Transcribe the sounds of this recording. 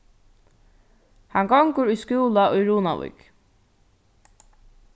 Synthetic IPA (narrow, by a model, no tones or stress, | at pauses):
haŋɡɔŋkʊɾʊjskuːlaʊjɹuːna̰wṵjk